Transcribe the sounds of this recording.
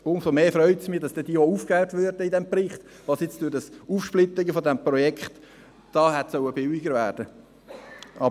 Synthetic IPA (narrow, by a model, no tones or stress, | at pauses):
ʊnsomeːfɾœʏtsmɪːd̥ɑsd̥ɛd̥iːouːfklæʊtvøɾdəidɛmpɾɪχt̪ | ʋɑːsjɪt͡sd̥udɑsuːfʃplɪt̪ːɪɡəfodɛmpɾɔjɛkχt | d̥ɑːhɛtsœwəbɪwiɡəɾvæːɾd̥ə | ʔɑ